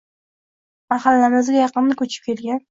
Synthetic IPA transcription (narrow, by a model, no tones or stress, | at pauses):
mahalːanɪzɡʲajɑqɨnːakʲʰɵt͡ʃʰɪ̥p̚kʲʰe̞lɡʲan